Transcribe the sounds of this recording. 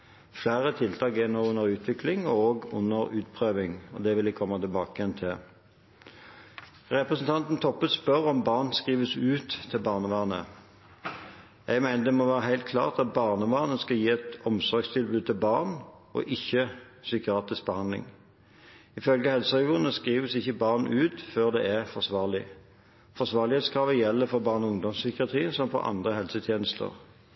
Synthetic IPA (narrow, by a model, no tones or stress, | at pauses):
flæːʁət̪ʰɪlt̪ʰɑːkɛnoːʊnːəʁʉːt̪ʰʋɪklɪŋɔoːɡʊ̰nːəʁʉːt̪pʰʁøːʋɪŋɔ̰d̪ɛʋɪlɪkʰɔmːɑt̪ɪlbɑːkəjɛnt̪ʰɪ | ʁɛpʁəsn̩t̪ʰɑnt̪n̩t̪ʰɔpːət̪spœʁɔmbɑːʁnskʁiːʋəsʉːt̪ʰːɪlbɑːʁnəʋɑːnə̰ | jɛɡmæɪnəd̪ɛmɔʋæːʁəɦæɪlt̪̚kʰlɑ̰ːʁt̪ɑt̪̚bɑːʁnəʋɑːʁnəskɑjiːɛt̪ɔmsɔɾɡst̪ʰɪlbʉːd̪̚t̪ʰɪlbɑːʁn | ɔ̰ʔɪçːə | sʏkɪɑːt̪ɪsk̚b̥əhɑnd̪lɪ̰ŋ | ɪfœlɡəhɛlsəɛːɡuːənəskʁiːʋəsɪçːəbɑːʁnʉːt̪føːʁd̪ɛːæʁfɔʁsʋɑːʁlɪ | fɔsʋɑːʁlɪheːt̪skʰʁɑːʋəjɛlːəfɔʁbɑːʁnʊŋd̪ɔmsʏkɪɑt̪ʰʁiːnsɔmfɔ̰ɾʔɑ̰nd̪ʁəhɛlsət̪ʰjeːnəst̪ə̰ʁ